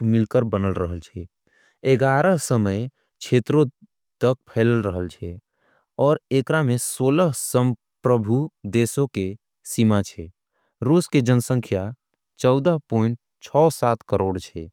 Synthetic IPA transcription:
mɪlkəɾbənəlɾəɦəlt͡ʃʰɛ | eɡaɾəɦsəməj | t͡ʃʰet̪ɾo | t̪ək̚pʰɛːləlɾəɦəlt͡ʃʰɛ | ɔːɾekɾamesoːləɦsəm | pɾəbʱud̪esoke | simat͡ʃʰɛ | ɾuːsked͡ʒənsə̃ŋkʰja | t͡ʃɔʊd̪əɦpɔɪɳʈ̚ | t͡ʃʰɔːsaːt̪kəɾoːɽt͡ʃʰɛ

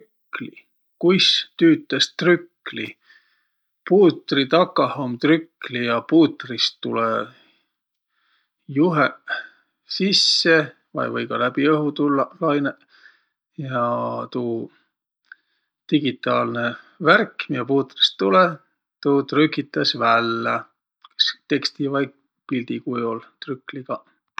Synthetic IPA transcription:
kkli | kujst̪yːt̪ːˑɑst̪rykːli | puːt̪rit̪ɑkːˑɑhomt̪rykːlijɑpuːt̪rist̪ːule | juɦe | sisːe | vɑ̰jvɤjɡ̥ɑlæb̥iɤɦut̪ulːɑlɑjne | jɑt̪uː | t̪iɡ̥it̪ˑːɑːlne | værkːmiɑpuːt̪ri̥st̪ːule | t̪uːt̪rykːit̪ːˑɑsvælːɑ | kst̪e̞kst̪ivɑjɡ | pilʲd̪̥ikujult̪rykːˑliɡ̥ɑ

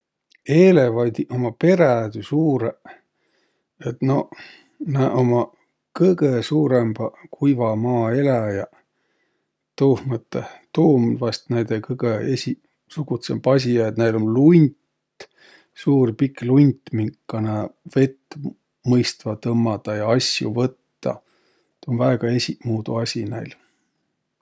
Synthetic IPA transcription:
e̞ːlevɑjd̪̥iʔo̞mɑpe̞ɾæd̪ysuːɾe | et̪no̞ | næʔomɑ | kɤjɡesuːɾemb̥ɑkʰujvɑmɑːe̞læjɑ | t̪uːhmət̪ːet̪uːmvɑst̪næjd̪̥ekɤɡ̥eesʲi | suɡut̪semb̥ɑs̬ʲijɑt̪næjlonlunʲt̪ | suːrpikˑlunʲt̪miŋkːˑɑneve̞t̪ː | mɤjst̪vɑt̪ɤmːɑd̪ɑjɑɑsʲjṵvɤt̪ːɑ̰ | t̪onvæeɡ̥ɑesʲimuːd̪ṵɑsʲinæjl

